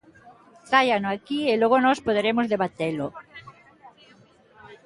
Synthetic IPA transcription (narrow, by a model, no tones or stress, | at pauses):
θajanoakieloɣonɔspoðeɾemozðeβat̪elo